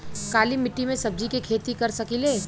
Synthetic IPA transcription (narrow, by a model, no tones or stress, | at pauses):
kaːlimɪʈːimẽsɐb̚d͡ʒikekʰeːt̪ikɐɾsɐkiːleː